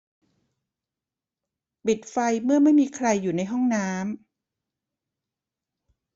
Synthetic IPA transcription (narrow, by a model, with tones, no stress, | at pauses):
pi˨˩t̪̚fa˧jmɯ˥˩ɐma˥˩jmiː˧kʰɾa˧jːuː˨˩na˧jɦɔ˥˩ŋnaː˦˥m